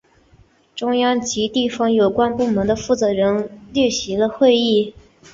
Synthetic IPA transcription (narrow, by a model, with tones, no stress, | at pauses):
ʈ͡ʂʊ˥ŋjɑ˥ŋt͡ɕi˧˥t̪i˥˩fɑ˥ŋjo˨˩ʊkwa˥npu˥˩mə˧˥ŋd̪ə˧fu˥˩t͡sɤ˧˥ɻə˧˥nljɛ˥˩ɕi˧˥lə˧xwe˥˧ɪi˥˩